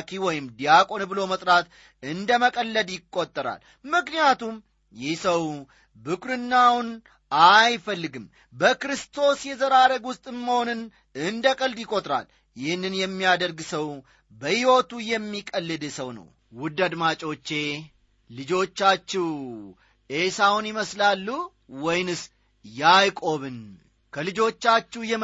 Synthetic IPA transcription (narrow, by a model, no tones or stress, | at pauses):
kʰiwɔjɪmd̪ijakʼo̞nbɨlo̞mət̪ʼɾat̪ | ɨnd̪əməkʼəlːəd̪jɪkʼːo̞t̪ʼːəɾa̰l | mɨknijat̪um | jɪhsəw | bɨkʰʼɾɨnːawn | ajfəlːɨɡɨm | bəkɾɨst̪ʰo̞sjɛzəɾaɾəɡwʊst̪ʼɨmːəho̞nɨn | ɨnd̪əkʼəld̪jɪkʼo̞t̪ʼɾa̰l | jɪhɨnːɨnjɛmːijad̪əɾɡsəw | bəhiwot̪ujɛmːikʼəlːɨd̪səwnə̰w | wʊd̪ːad̪mat͡ʃʼo̞t͡ʃːe̞ | lɨd͡ʒo̞t͡ʃːat͡ʃːɛw | e̞sawʊnɪməslalːu | wɔjnɨs | jajkʼo̞βɨn | kʰəlɨd͡ʒo̞t͡ʃːat͡ʃːɛwjɛ